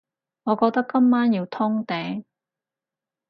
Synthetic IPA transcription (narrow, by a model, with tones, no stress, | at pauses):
ŋɔː˨˧kɔː˧k̚t̪ɐ˥kːɐ˥mːaː˥njiː˧wt̪ʰʊ˥ŋt̪ɛː˨˥ŋ